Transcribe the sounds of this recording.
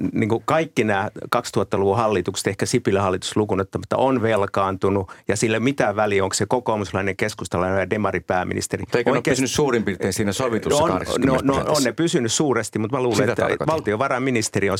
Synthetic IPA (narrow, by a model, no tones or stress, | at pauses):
niːŋkukɑikːinæːkɑkst̪uhɑt̪ːɑluʋuhɑlːit̪ukse̥t̪ehkæsipilːæhɑlːit̪u̥slukunot̪ːɑmɑt̪ːɑ̰onʋelkɑːnt̪unujɑsilːomit̪æʋælioŋksekokoːmuslɑineŋkeskust̪ɑlɑnojɑdemɑripæːmḭnḭst̪erit̪eikoikesynyssuːrimpirt̪eːnsiːnæsoʋitt̪usno̰nonononnepysynyssuːrest̪imut̪mæluːleekʋɑlt̪ioʋɑrɑminist̪eriõn